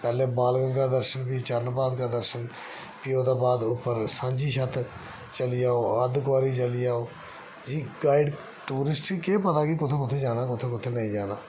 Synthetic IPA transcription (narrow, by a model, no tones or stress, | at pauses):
pɛːleːbaːlɡəŋɡaːd̪əɾʃənpiːt͡ʃəɾnbaːd̪kaːd̪əɾʃən | pɪjoːt̪aːbaːd̪ʊpːəɾsãːɲd͡ʒiːʃət̪ | t͡ʃəliːaːoːəd̪kʊʋaːɾiːt͡ʃəliːaːoː | d͡ʒiːɡaːiɖ | ʈuːɾɪsʈiːkeːpət̪aːkɪkʊt̪ʰeːkʊt̪ʰeːd͡ʒaːnaːkʊt̪ʰeːkʊt̪ʰeːnəĩːd͡ʒaːnaː